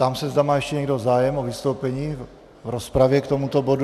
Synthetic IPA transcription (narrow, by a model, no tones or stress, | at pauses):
t̪amsɛzdamaːjɛʃcɛɲɛɡdo̞zaːjɛmovɪst̪owpɛɲiː | vɾospɾavjɛkt̪o̞mut̪o̞bo̞du